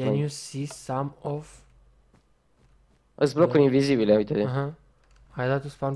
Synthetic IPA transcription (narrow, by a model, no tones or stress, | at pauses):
ɛ̃njusisãmɔv | əzblokuɾĩnvizibileujt̪ed̪iaɦã | hajd̪at̪usfãn